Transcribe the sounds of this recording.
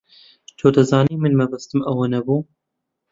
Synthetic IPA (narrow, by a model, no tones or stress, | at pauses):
t͡ʃʰoːd̪ɐzɑːniːmɨnmɛbɐst̪ɨmɐwonɛbuː